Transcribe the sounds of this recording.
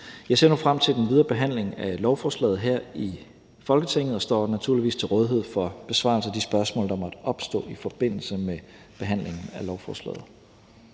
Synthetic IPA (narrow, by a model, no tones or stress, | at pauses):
jɑ̈ɪse̝̰ɐnufʁam̰t͡sʰe̝ld̥enʋið̞ˠɐːb̥e̝ɦæn̰le̝ŋælɒʊfɒːslɛ̰ːð̞̩ˠɦeɐ̰i | fɒ̽lɡ̥ət͡sʰeŋ̰ð̩ˠɒ̽sd̥ɒ̰ːnæt͡sʰuɐliʋḭːst͡sʰe̝lʁɔ̽ːð̞ˠɦe̝ð̰ˠfɒ̽b̥e̝sʋɑ̰̈ːlsəæd̥isb̥ɶɐsmɔ̰̽ːld̥ɑ̈mɒ̽d̥ɒ̽b̥sd̥ɔ̰̽ːifɒ̽b̥e̝n̰l̩səme | b̥e̝ɦæn̰le̝ŋn̩ælɒʊfɒ̰ːslɛ̰ːð̩ˠ